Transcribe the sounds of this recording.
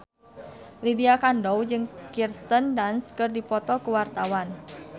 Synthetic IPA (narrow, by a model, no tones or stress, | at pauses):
lidiakandɔwd͡ʒɨŋkirst̪əndanskɨrdipɔt̪ɔkuwart̪awan